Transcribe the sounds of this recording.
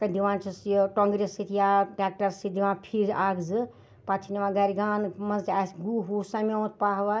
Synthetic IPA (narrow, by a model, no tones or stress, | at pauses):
kɐd̪iʋãːnt͡ʃʰisjoʈõŋɡɾesit̪ʰijaʈaːk̚ʈɐɾsid̪iʋãːnpʰiɾaɡzɨ | pat̪ʰiniʋãɡaɾiɡaːnmɐzt̪ʰʲasɡuɦusamĩt̪̚paɦʋa